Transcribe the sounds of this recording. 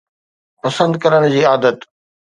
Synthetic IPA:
pɐsə̃nd̪kɐɾəɽ̃d͡ʑiːaːd̪ət̪

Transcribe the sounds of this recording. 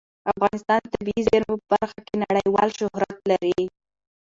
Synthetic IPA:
afɣɑnɪst̪ɑnt̪abiizɪɾmopəbaɾxakenaɽəjwɑ̰lʃʊhɾat̪laɾi

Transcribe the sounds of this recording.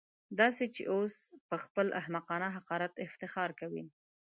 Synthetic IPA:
d̪ɑset͡ʃḛʔospəxpəlʔa̰hmaqɑnaɦaqɑɾat̪ɪft̪ɪxɑɾkawḭ

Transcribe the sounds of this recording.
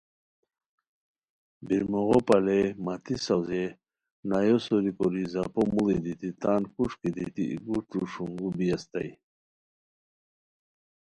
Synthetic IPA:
biɾmuɣopalemat̪isawze | najosoɾikɔɾizapomulid̪it̪it̪aːnkuʂkid̪it̪ḭḭɡuʈ͡ʂuʂuŋɡubijast̪a̰j

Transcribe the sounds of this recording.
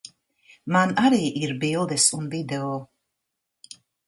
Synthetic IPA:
manaɾiʔiɾbilˠd̪ɛsunvid̪ɛo

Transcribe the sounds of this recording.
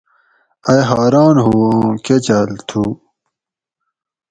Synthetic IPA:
ɐjɦaːɾɑːnɦuket͡ɕɐlt̪ʰu

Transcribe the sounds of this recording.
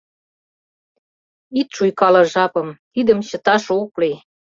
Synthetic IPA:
it̪ʃujkɑlɤ̆ʒɑpɤ̆mt̪id̪ə̆mt͡ɕə̆t̪ɑʃouklij

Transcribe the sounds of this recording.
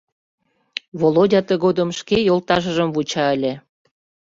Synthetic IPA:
βolodʲɑt̪əɣod̪əmʃkejolt̪ɑʃə̆ʒəmvut͡ɕɑəlʲĕ

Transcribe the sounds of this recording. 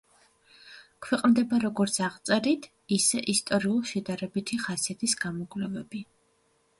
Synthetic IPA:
kʰwɛqʼmd̪ɛbaɾɔɡɔɾt̪sʰaʁt̪sʼɛɾit̪ʰ | isɛʔist̪ʼɔɾiulˠʃɛd̪aɾɛbit̪ʰiχasiat̪ʰisɡ̥amɔɡʼvlɛvɛbi

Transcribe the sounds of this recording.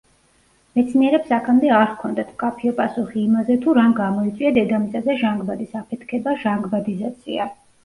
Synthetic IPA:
mɛt̪sʰniɛɾɛpsakʰamd̪ɛaɾkʰɔnd̪at̪ʰmkʼapʰiɔpʼasuχiːmazɛt̪ʰuɾamɡamɔit̪sʼwiad̪ɛd̪amit̪sʼazɛʒaŋɡbad̪isapʰɛt̪ʰkʰɛbaʒaŋɡbad̪izat̪sʰḭa

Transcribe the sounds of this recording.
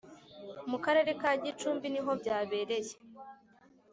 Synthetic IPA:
mukaɾe̞ɾe̞kaɟit͡ʃuːmbiniɦo̞bɟaːβe̞ːɾe̞je̥

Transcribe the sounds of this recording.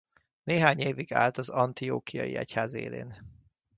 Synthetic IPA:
neːɦaːɲeːviɡa̰ːlt̪ɒzɒnt̪ijoːkijɒ̰jiɛchaːzḛːlḛːn

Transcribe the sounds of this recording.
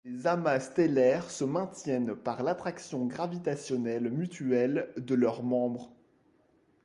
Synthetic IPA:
ezamast̪elɛʁsəmɛ̃t̪jɛnpaʁlat̪χaksjɔ̃ɡʁavit̪asjɔnɛlmyt̪yɛld̪əlœʁmɑ̃bʁ

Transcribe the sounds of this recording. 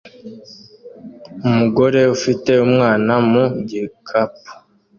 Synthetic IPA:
umuɡo̞ɾe̞ufite̞umŋaːnamuɟikʰap̚u̥

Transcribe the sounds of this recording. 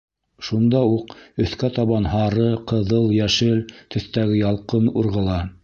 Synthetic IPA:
ʃund̪ɑuqɵ̆θkæt̪ɑβɑnɦɑɾɤqɤ̆ðɤlˠjæʃɘlt̪ɵ̆θt̪æɡɘjɑlˠqɤnuɾʁɤ̆lˠɑ

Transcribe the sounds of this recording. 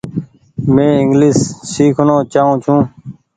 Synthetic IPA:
mẽːɪŋɡliːsːiːkʰnõːt͡ʃaːũːt͡ʃʰũː

